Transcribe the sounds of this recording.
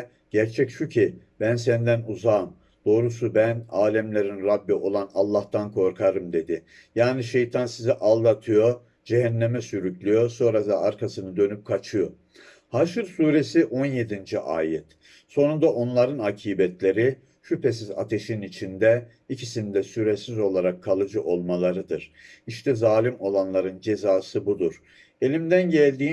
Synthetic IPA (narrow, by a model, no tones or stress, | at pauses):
ɟ̥æɾt͡ʃʰɛcʃucʰib̥ænsɛnd̪ænuzaːm | d̪̥o̞ːɾusubænaːlʲɛmlʲeɾinɾabːio̞lˠanalˠːaht̪ʰankʰo̞ɾkʰaɾɯmd̪e̞d̪ɪ | jaːniʃe̞jt̪ʰansiziʔalˠd̪at̪ʰɯjo̞ | d͡ʒɛɦænːemɛsyɾycʰlʲyjo̞so̞nɾad̪aaɾkʰasɯnɯd̪ø̞nyp̚kʰat͡ʃʰɯjo̞ | haʃɯɾsuːɾe̞siʔo̞nje̞d̪ind͡ʒiʔa̰ːjɛt̪ | so̞nund̪aʔo̞nlˠaɾɯnacʰiːbɛt̪lʲe̞ɾi | ʃypʰes̬iza̰t̪ʰe̞ʃinit͡ʃʰind̪ɛ | icʰisind̪ɛsyɾesizo̞lˠaɾakʰːalˠɯd͡ʒɯʔo̞lˠmalˠaɾɯd̪ɯɾ̥iʃt̪ʰɛzaːlʲimo̞lˠanlˠaɾɯnd͡ʒe̞zaːsɯbud̪uɾ̥ | e̞lʲimd̪ænɟælʲd̪iː